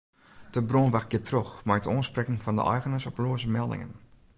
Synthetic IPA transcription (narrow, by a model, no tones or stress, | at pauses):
d̥əbrɔnʋaxɡɪtroxmaɹətoːnsprɛkəŋfɔndə̰ʔɛ̰jɣənəsɔploəsəmɛlˠdɪ̰ŋə̰n